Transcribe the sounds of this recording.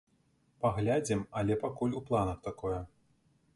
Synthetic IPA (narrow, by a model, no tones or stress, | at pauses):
paɣlʲad͡zʲimɐlʲɛpakulʲuplˠanɐxt̪akɔjɛ